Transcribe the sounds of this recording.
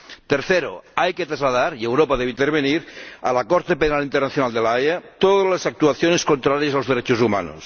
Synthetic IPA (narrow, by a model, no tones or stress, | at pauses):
t̪eɾθeɾo̰ajket̪ɾazlaðaɾiewɾopaðeβeint̪eɾβ̞eniɾalakoɾt̪epenalint̪ernaθjonald̪elaeat̪oðazlasak̚t̪uaθjoneskont̪ɾaɾjasalozðeɾet͡ʃozuma̰no̰s